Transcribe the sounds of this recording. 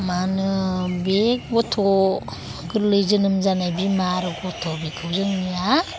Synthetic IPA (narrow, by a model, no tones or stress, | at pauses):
manɯbek̚bɔtʰɔ | kɯɾlɯjzɯnɯmzanajbimaɾɯɡɔtʰɔbikʰɯwzɯŋnija